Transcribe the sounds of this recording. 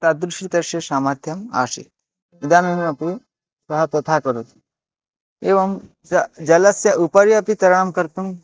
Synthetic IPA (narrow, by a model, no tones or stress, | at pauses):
t̪ad̪ɾuʂit̪ɐʃesaːmat̪ʰjɐma̰ːʂḭ | id̪aːnenuɐpu | sɐɦɐt̪ɐt̪ʰakɐɾot̪ | eːʋɐm | d͡ʒɐlɐsjɐʔupɐɾjɐpit̪ɐɾɐɳ̃ɐmkɐɾt̪um